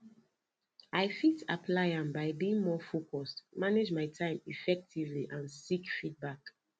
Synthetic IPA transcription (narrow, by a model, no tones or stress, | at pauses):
aɪfitapʰlaɪãnbaɪbiĩŋmɔfokʰɔstmaned͡ʒmaɪtʰãɪ̃mifɛk̚tʰivliʔãnsikfit̚bak